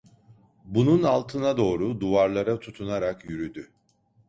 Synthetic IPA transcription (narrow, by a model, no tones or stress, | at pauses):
bununalˠt̪ʰɯnad̪o̞ːɾud̪uvaɾlˠaɾat̪ʰut̪ʰunaɾakjyɾyd̪y